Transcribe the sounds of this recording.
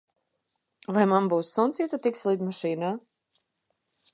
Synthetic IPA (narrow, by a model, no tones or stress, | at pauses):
vajmanbuːsːunsiːt̪ut̪iksʲlˠiːd̪maʃiːnaː